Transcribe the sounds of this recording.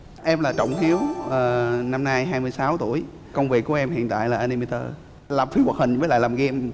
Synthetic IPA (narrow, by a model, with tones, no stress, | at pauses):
ʔɛ˧mlaː˨˩t͡ɕə̰˧˨wŋ͡mhi˨˦əwʔəː˨˩na˧mna˧jɦaː˧jmɨ˧jsaː˨˦wt̪u˧˩əj | kə˧wŋ͡mvi˨˩ək̚ːu˧˩əʔɛ˧mhḭ˧˨ənt̪a̰ː˧˨jlaː˨˩ʔa˧ni˧mi˧t̪ə̰ː˧ | laː˨˩mfi˧˦wə˨˩hï˨˩ŋ̟vəː˨˦la̰ː˧˨jlaː˨˩mɣɛ˧m